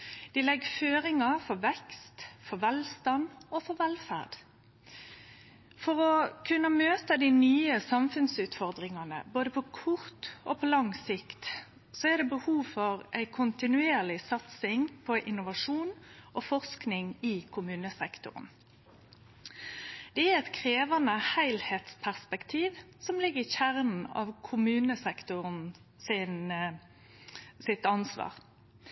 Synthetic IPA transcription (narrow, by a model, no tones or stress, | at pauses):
d̪̥iːlɛɡføːɾɪŋɑfɔʋɛkst̪fɔʋɛlst̪ɑnofɔʋɛlfæ̰ʁd̪̥ | fɔʁɔkʰʉnːəmøːt̪əd̪ɪnyːəsɑmfʉnsʉːt̪fɔʁd̪ʁɪŋɑnə̰boːd̪əpʰɔkʰʊʁt̪o̰ːpʰɔlɑŋsɪkt̪ | soæʁd̪ɛbəhuːfɔʁʔæɪkʰʊnt̪ɪnʉeːʁlɪsɑt̪sɪŋpʰɔʔɪnʊʋɑʂuːnʔɔfɔʁsknɪŋɪkʰʊmʉːnəsɛkt̪ʊ̰ʁə̰n | d̪̥ɛæʁɛt̪kʰʁeːʋɑnəhæɪlheːt̪spʰæʁspɛkt̪ʰiːʋsɔmlɪɡːəʁɪçæʁnn̩ɑ̰ʋkʰʊmʉːnəsɛkt̪ʊʁən | sɪn | sɪt̪ɑnsʋɑ̰ːʁ